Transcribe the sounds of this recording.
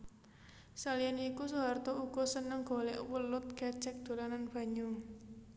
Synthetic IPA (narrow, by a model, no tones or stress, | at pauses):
salianikusuwart̪ɔuɡ̥ɔ̤sənəŋɡ̥ɔ̤lɛʔwəlʊt̪̚kɛ̥t͡ʃɛk̚d̪̥o̤lananb̥a̤ɲu